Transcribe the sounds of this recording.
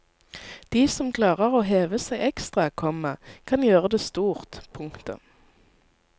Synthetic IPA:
d̪̥iːsɔmkʰlɑːʁəʁoːɦeːʋəsæɪʔɛkst̪ʁɑkʰɔməkʰɑnjøːʁəd̪eːst̪uːʁt̪pʰʊŋkt̪ə̰

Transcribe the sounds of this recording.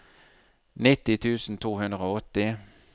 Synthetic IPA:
nɪt̪ɪt̪ʰʉːsn̩t̪ʰuːhʉnd̪ʁəoːɔt̪ːɪ

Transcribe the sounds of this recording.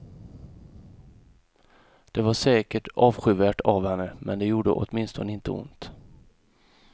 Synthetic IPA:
d̪̥ɛvaʂɛːkəʈɑːvɧʏvæːʈavhɛnːəmɛnd̪ɛjuːɖə̰ʔɔ̰t̪mɪnst̪ɔnəɪnt̪ʰəʊ̰nt̪

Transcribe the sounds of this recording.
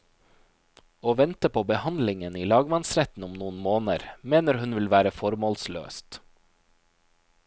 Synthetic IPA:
oːʋɛnt̪əpʰoːbəhɑnd̪lɪŋəniːlɑːɡmɑnsɾɛt̪n̩ʊmnuːənmoːnəɾmeːnəɾhʉnʋɪlʋæːɾəfɔɾmoːlslø̰ːst̪

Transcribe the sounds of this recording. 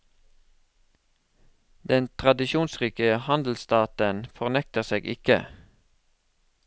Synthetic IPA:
d̪̥ɛnt̪ʰʁɑd̪ɪʃuːnsʁiːkəəhɑnd̪l̩st̪ɑːt̪ənfɔʁnɛk̚t̪əʁseːɡɪkə̰

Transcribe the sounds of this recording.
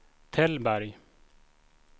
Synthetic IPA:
t̪ʰɛlbæɾj

